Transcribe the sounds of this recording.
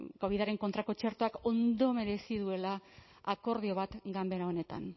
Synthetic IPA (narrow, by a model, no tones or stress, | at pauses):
ko̞βiðaɾe̞ŋko̞nt̪ɾakot͡ʃe̞ɾt̪oako̞nd̪o̞me̞ɾe̞sið̞ue̞laː | ko̞ɾðio̞β̞at̪ɡambe̞ɾao̞ne̞t̪a̰n